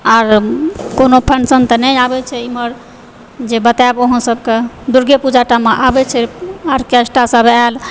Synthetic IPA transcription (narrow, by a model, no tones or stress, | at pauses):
aɾkonopʰənsənt̪ənɛjabɛt͡ʃʰɛiməɾ | d͡ʒebət̪aboɦə̃səbke | d̪uɾɡepud͡ʒaʈameʔabɛt͡ʃʰɛaɾkɛsʈasəbal